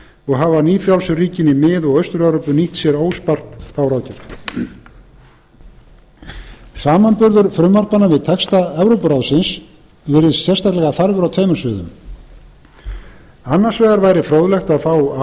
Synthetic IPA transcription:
ɔɣɦavaniːfɾjawlsʏriːcɪnːɪmɪðɔɣœɥst̪ʏɾɛvɾopʏniht̪sjɛɾoːwspar̥t̪fawɾaːwcɪɾ | saːmanpʏɾðʏɾfɾʏmvar̥panːavɪðt̪ʰɛkst̪aɛvɾowpʏɾawsɪns | vɪɾɪðsjɛrst̪ak̪lɛɣaθaɾvʏɾawt̪ʰeːjmʏɾ̥svʏːðʏ̰m | anːar̥svɛːɣaɾvaːjɾɪfɾowðlɛxt̪aðfaːw

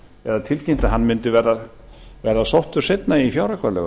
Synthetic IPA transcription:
ɛðat̪ʰɪlcem̥t̪aɦanːmɪnt̪ʏvɛːɾa | vɛːɾasɔht̪ʏɾ̥set̪naiifjaːwɾakʰvaɾlɛ̰ɣʏ

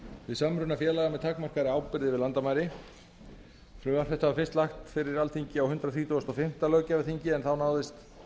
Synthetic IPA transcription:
vɪðsamɾʏnafjɛːlaɣamɛðt̪ʰaːkmar̥kaɾɪaːwpɪɾðɪvɪðlant̪amajɾɪ | flʏːmaɾ̥θɛht̪ːhaafɪr̥st̪laxt̪fɪɾɪɾalθiɲcɪawhʏnt̪ɾaθɾiːt̪uast̪ɔfɪm̥t̪alœcavɪθiɲcɪɛnθawnaːwðɪst̪

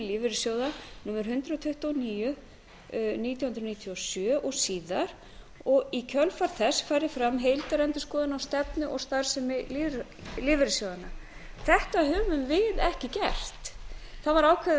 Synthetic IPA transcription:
liːvɪɾɪsjowðanuːmɛɾ̥ɦʏnt̪ɾat̪ʰʏht̪aniːjʏ | niːt̪jɔhʏnɾniːt̪ʰjɔsjœːʔɔɣsiːðaɾ̥ | ɔɣicʰœlfaɾ̥θɛsfaːjɾɪfɾamɦejlt̪aɾɛnt̪ʏ̥skɔːðɪnawst̪ɛpnʏʔɔɣst̪aɾsɪmɪliː | lɪːvɪɾɪsjoːwðana | θɛht̪aɦʏːvʏmvɪðɛhcɪcɛr̥t̪θaðvaɾaːwkʰɛ

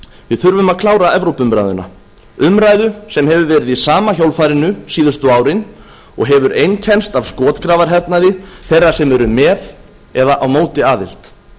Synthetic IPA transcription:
vɪðθʏɾvʏmaðkʰlaːwɾaɛvɾowpʏmɾa̰jðʏ̰na̰ | ʏmɾaːjðʏsɛmhɛvʏvɛːɾɪðisaːmaçowlfaːjɾɪnʏsiːðʏst̪ʏaːwɾɪn | ɔ̰ɣɦɛvʏɾejncʰɛnst̪avskɔːt̪kɾaːvaɾɦɛɾt̪naðɪθejrːḁsɛmɛɾʏmɛːð | ɛðaʔawmoːwt̪ɪaːðɪ̰l̥t̪

